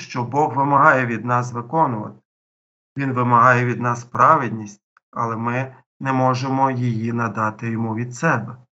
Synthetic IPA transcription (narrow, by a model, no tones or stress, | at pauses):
ʃt͡ʃɔbɔɣʋɪmɐɦɑjɛʋʲid̪nɑsʋɪkɔnʊʋɐ̰t̪ɪ̥ | ʋʲinʋɪmɐɦɑjɛʋʲid̪nɑspɾɑʋɪd̪ʲnʲisʲtʲ | ɐ̰lˠɛmɪ | nɛmɔʒemɔjɪjinɐd̪ɑt̪ɪjɔmuʋʲid̪sɛbɛ